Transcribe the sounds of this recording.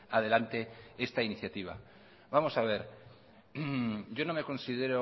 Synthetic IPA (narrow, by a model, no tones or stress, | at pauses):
aðe̞lant̪e̞e̞st̪ainiθjat̪iβ̞a̰ | βamo̞saβ̞e̞ɾ | ɟ͡ʝo̞no̞me̞ko̞nsið̞e̞ɾo